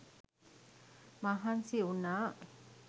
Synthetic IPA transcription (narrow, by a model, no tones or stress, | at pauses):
maɦansiunaʔ